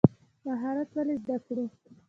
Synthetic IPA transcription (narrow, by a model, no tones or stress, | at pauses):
maɦɑɾat̪walezd̪akɽu